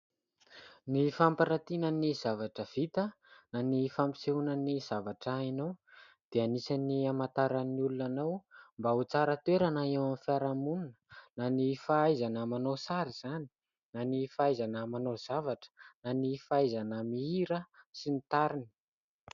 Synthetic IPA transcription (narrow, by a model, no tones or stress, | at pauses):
nifampaɾat̪inəniz̥avaʈ͡ʂəv̥it̪ə | nanifampi̥seunaniz̥avaʈ͡ʂainow | d̪̥eanisaniamat̪aɾanːiulunanawmbaut͡saɾət̪weɾanaewamfiaɾamuninə̥nanifaajzanəmanosaɾiz̥ani̥ | nanifaajzanəmanoz̥avaʈ͡ʂə̥nanifaajzanəmiiɾəsinit̪aɾini̥